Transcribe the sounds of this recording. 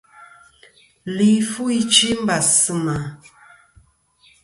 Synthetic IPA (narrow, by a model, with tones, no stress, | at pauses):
li˨fu˦i˦t͡ʃi˦m̩˦ba˨sɨ˦ma˨